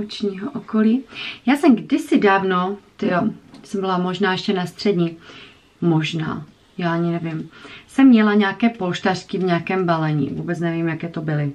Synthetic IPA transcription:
ut͡ʃɲiːɦoʔokoliːjaːsɛmɡdɪsɪdaːvno̞t̪ɪjosɛmbɪlamo̞ʒnaːjɛʃcɛnast̪r̝̥ɛdɲi | mo̞ʒna̰ː | jaːʔaɲɪnɛvɪmsɛmːɲɛlaɲɛakɛːpolʃt̪arkɪvɲɛakɛːmbalɛɲḭvuːbɛt͡snɛvimjakɛːt̪obɪlɪ

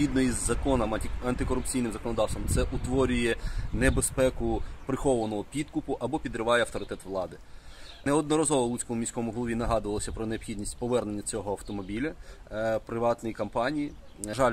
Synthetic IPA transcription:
id̪nɔizːɐkɔnɐmɐnt̪ɪkɔɾʊp̚t͡sʲijnɪmzɐkɔnɔd̪ɑwsɔmt̪sɛʔʊt̪ʋɔɾʲʊjɛnebespɛkʊpɾɪxɔʋɐnɔɦɔpʲid̪kʊpʊʔɐbɔpʲid̪ɾɪʋɑjɛɐft̪ɔɾɪt̪ɛt̪ʋlˠɑd̪ɪneɔd̪nɔɾɐzɔʋɔlˠut͡sʲkɔmʊmʲisʲkɔmʊɦɔlˠɔʋinɐɦɑd̪ʊʋɐlˠɔsʲɐpɾɔneɔbxʲid̪ʲnʲisʲtʲpɔʋɛrne̞nʲːɐt͡sʲɔɦɔɐwt̪ɔmɔbʲilʲɐpɾɪʋɑt̪nɔjikɐmpɑnʲiji | ʒɑlʲ

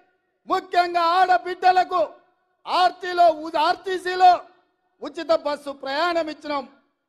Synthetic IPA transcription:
mukʰjɐŋɡaːaːɽɐbiɖːɐlɐku | aːɾt̪ilo̞ːuaːɾt̪isilo̞ː | ut͡ʃːit̪ɐbɐsːupɾɐjaːɳɐmit͡ʃːinɐm

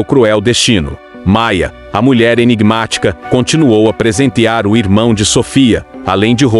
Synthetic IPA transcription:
wkɾuɛwd̪est͡ʃĩnʊ̰ | majɐ̰ | ɐmuʎɛɾeniɡmat͡ʃi̥kɐkõt͡ʃinuowɐpɾezẽnt̪iaɾʊiɾmɐ̃w̃d͡ʒɪsofiɐalẽj̃d͡ʒɪɦo

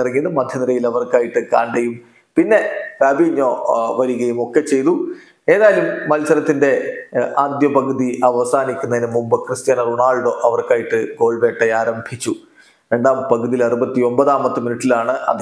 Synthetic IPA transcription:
rɐŋːinːɨmɐd̪ʱjɐniɾɐjilɐʋɐrkaːjiʈːɨkaːɳɖɐjum | pinːe̞rɐbiɲːo̞ːʋɐɾuɣɐjumo̞kːet͡ɕe̞jt̪u | e̞ːðaːjɐlumːɐlsɐɾɐt̪ːinde̞aːd̪jɐpɐɡɐðiʔɐʋɐsaːnikʲːunːɐðinɨmumbɐkrɨst̪jaːnɐruɳaːɭɖoʔɐʋɐrkaːjiʈːɨɡo̞ːɭbe̞ːʈːɐjaːɾɐmbʱit͡ɕːu | ɾe̞ɳɖaːmpɐɡɐðijilɐrubɐt̪ːio̞mbɐðaːmɐt̪ːɨminiʈːilaːɳɨʔɐ̰ð

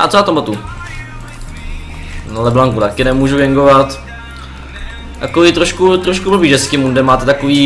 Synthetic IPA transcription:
a̰tt͡sojaːt̪ombat̪u | nalɛblaŋkut̪akɪnɛmuːʒuvɛŋɡovat̪ | t̪akovit̪ɾoʃkut̪ɾoʃkubobid͡ʒɛskɪmundɛmaːt̪ɛt̪akoviː

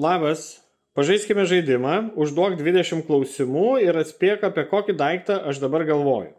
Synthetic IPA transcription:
lˠɑːbɐs | pɐʒɐɪsʲkʲɪmʲɛʒɐɪd̪ʲɪmɑːʊʒd̪uɔkd̪ʲʋʲɪd̪ʲɛʃʲɪmklˠɒʊsʲɪmuːɪɾɐt̪ʲsʲpʲiɛkɐːpʲiɛkoːkʲɪd̪ɐɪkt̪ɐʔɐʃd̪ɐbɐɾɡɐlˠʋoːjʊ

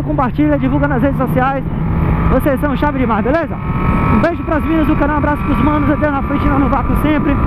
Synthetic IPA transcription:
kõpaɾt͡ʃiʎɐd͡ʒivuwɡɐnɐshed͡ʒɪs̬osiajs | vosessɐ̃w̃ʃavɪd͡ʒɪmaɾbelezɐũbejʒʊpɾɐzmĩnɐzʊkɐɾɐ̃w̃abɾasʊ̥pɾʊzmɐ̃nʊzed̪ewnɐfɾẽnt͡ʃɪnãnʊvakʊsẽpɾɪ

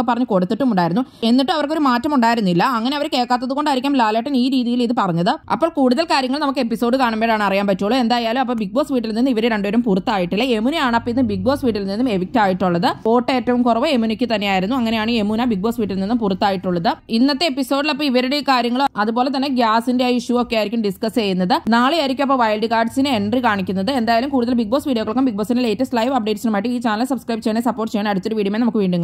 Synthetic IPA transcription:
pːɐrɐɲːɨko̞ɽut̪ːiʈːumuɳɖaːjiɾunːue̞nːiʈːɨmɐʋɐrkːo̞ɾumaːtːɐmuɳɖaːjiɾunːilːɐɐŋːɐne̞ɐʋɐɾke̞ːɭkːaːt̪ːɐðuɣo̞ɳɖaːiɾikʲːaːmlaːleːʈːɐniːɾiːðijiliðɨpɐrɐɲːɐðɨɐ̰pːoːɭkuːɽuðɐlkaːɾjɐŋːɐɭnɐmukːɨepːiso̞ːɖɨkaːɳɐmbeːɭaːɳɨɐrijaːnpɐtːoːɭue̞nd̪aːjaːlumɐpːɐːbik̚bo̞ːsʋiːʈ̬ːilninːɨiʋɐɾeɾe̞ɳɖuʋɐɾumpurut̪ːaːjiʈːilːɐemunijaːɳɐpːɐinːɨbiɡ̚bo̞ːsʋiːʈ̬ːilninːume̞ʋik̚taːjiʈːuɭːɐðɨpo̞ːʈːe̞ːtːɐʋumkurɐʋoemunikʲːɨt̪ɐnːejaːjiɾunːuɐŋːɐne̞jaːɳɨemunabiɡ̚bo̞ːsʋiːʈːilninːumpurut̪ːaːjiʈːuɭːɐðɨinːɐt̪ːeepːiso̞ːɖilɐpːoːiʋɐɾuɽekaːɾjɐŋːɐɭɐðupo̞ːle̞t̪̬ɐnːeɡjaːsindeajiʂuokːejaːjiɾikʲːumɖiskɐst͡ɕejːunːɐðɨnaːɭjaːjɾikʲːumɐp̬ːoːʋɐjlɖɨkaːɖsinɨeɳɖrikaːɳikʲːunːɐðɨend̪aːjalumkuːɽuðɐlbiɡ̚bo̞ːsʋiːɽijokːɐɭokːɐmbiɡ̚boːsinːele̞ːtːɐstlɐjʋɐp̚ɖe̞ːʈsinɐmaːjiʈːɨiːt͡ɕaːnɐlsɐbskrɐjbt͡ɕːejɐɳesɐpːo̞ːrʈːɨt͡ɕejːɳɐɽut͡ɕːoɾuʋiːɽiɐmeːnɐmukːɨʋiːɳɖuŋː

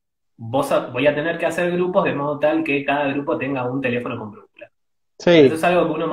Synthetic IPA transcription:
bo̞sabo̞jat̪e̞neɾkeaseɾɣɾupozðe̞mo̞ð̞o̞t̪alke̞kaðaɣ̞ɾupo̞t̪e̞ŋɡaunt̪e̞le̞fo̞no̞ko̞mpɾokula | sieest̪oesalɣo̞keuno̞m

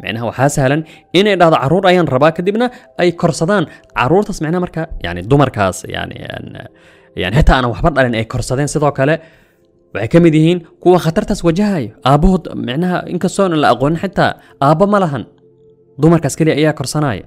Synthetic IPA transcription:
mɑ̰ʕnɐɦɐwɑħaːsɐhlɐn | ɪnɛjɖaːhðɔʕɑɾuːɾɐjaːnrɐβaːkʰɐd̪ibnɐ | ɛjkʰɔrsɐðaːnʕɑ̰ɾuːrt̪ʰaːsmɑʕnɐhamɐrkʰɐja̰ʕnɪd̪ʊmɐrkʰa̰ːsja̰ʕnɪ̰ɛ̰n | ja̰ʕnɪħɪt̪ʰaːnawɑħbɐɖɐlɛːnɛjkʰɔrsɐðɛːnsɪðɔːkʰɐlɛ | wɑħɑjkʰɐmɪd̪jɪhiːnkʰʊwɑχɑt̪ʰɐrt̪ʰaːswɐt͡ʃɐɦɐjɔʔaːbɔɦɔd̪mɑʕnɐɦɐ̰ʔɪ̰ŋkʰɐst̪ɔːnɐlɐʔɐqɔːnɐħɪt̪ʰːa̰ː | ʔaːbɔmɐlɐɦɐn | d̪ʊmɐrkʰaːskʰɛlijɐʔːjaːkʰɔrsɐnɐ̰ːjɐ̰

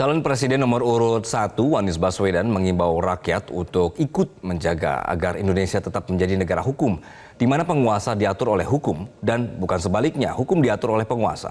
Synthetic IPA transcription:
t͡ʃalanpɾes̬idɛnːɔməruɾut̪sat̪uwanɪsbaswedanməŋimbawrakiat̪ṵnt̪ʊkikʊt̪̚məɲd͡ʒaɡa̰a̰ɡarindonesiat̪ət̪ap̚məɲd͡ʒadinəɡaɾaɦukʊm | dimanapəŋuasadiat̪ʊɾolɛhɦukʊmdanbukansəbalik̚ɲa̰hukʊmdiat̪ʊɾolɛhpəŋua̰sa̰

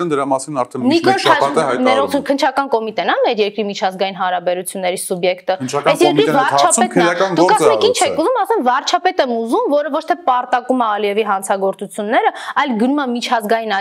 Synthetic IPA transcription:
nd̪əɾɑmɑsinɑɾtʰɛnikɔlʰɑɛɛɾɔt͡sʰukʰənt͡ʃʰɑkɑnkɔmit̪ɛnɑmɛɾjɛɾkɾimit͡ʃʰɑzɡɑjinɦɑnɾɑbɛɾut͡sʰjunːɛɾisubjɛkt̪əkɛsjɛɾkɾivɑɾt͡ʃʰɑɛt̪ʰɑknɡ̪d̪ukmɛkint͡ʃʰɛkʰuzumɑsɛmvɑɾt͡ʃʰɑpɛt̪ɛmuzumvɔɾəvɔt͡ʃʰt̪ʰɛpɑɾt̪ɑkumɛːliɛviɦɑnt͡sʰɑɡɔɾt͡sut͡sʰjunːɛɾəɑjlɡənumɛmit͡ʃʰɑzɡɑjinɑ

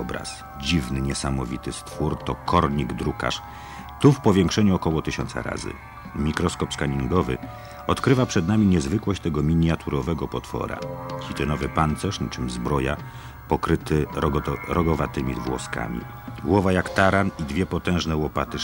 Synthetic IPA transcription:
ɔbɾa̰s | d͡ʑivnɘɲɛsamɔvʲit̪ɘst̪fuɾt̪ɔkɔɾɲiɡd̪ɾuka̰ʂ | t̪ufpɔvʲjɛŋkʂɛɲuɔkɔwɔt̪ɘɕɔnt̪sa̰ɾa̰zɘ̰ | mʲikɾɔskɔpskaɲiŋɡɔvɘ̰ | ɔt̪kɾɘvapʂɛd̪namʲiɲɛzvɘkwɔɕt͡ɕt̪ɛɡɔmʲiɲat̪ʰuɾɔvɛɡɔpɔt̪fɔ̰ɾa̰xʲit̪ɛnɔvɘpant̪sɛʂɲit͡ʂɘmʲzbɾɔja̰ | pɔkɾɘt̪ɘ | ɾɔɡɔvat̪ɘmʲivwɔ̰ska̰mʲḭ | ɡwɔvajakt̪aɾanid̪vʲjɛpɔt̪ɛ̃ʐnɛwɔpat̪ɘ

